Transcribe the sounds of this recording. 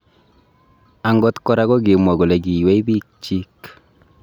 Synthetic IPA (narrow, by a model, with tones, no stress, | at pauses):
a˨ŋɡɔ˦t̪kɔ˦ɾa˦kɔ˦k̬e˨mwɔ˨ɡo˨lɛ˨ki˨wɛ˦i˦bi˦k̚t͡ʃi˦k